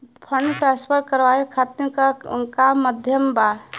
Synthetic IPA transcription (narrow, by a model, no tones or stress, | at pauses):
pʰəɳɖʈɾaspʰəɾkəɾʋaikʰat̪iɾkankammːəd̪ʱjəmba